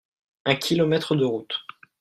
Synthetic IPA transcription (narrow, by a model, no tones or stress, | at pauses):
ɛ̃kʲʰilɔmɛt̪χəd̪əʁut̪